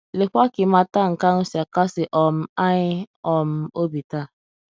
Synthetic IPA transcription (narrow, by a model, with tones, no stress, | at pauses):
le˨kʷa˦kɪ˨ma˦ta˦ŋ̩˨ka˦ŋ̩˦sa˨ka˦sɪ˨ʔɔ˦m̩˦a˦ɲɪ˦ɔ˨m̩˦o˦bi˨ta˦˨